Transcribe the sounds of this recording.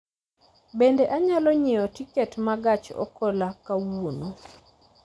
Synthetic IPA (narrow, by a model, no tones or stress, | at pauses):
bendeʔaɲalɔɲɪɔtiketmaɡat͡ʃɔ̰kɔlakawono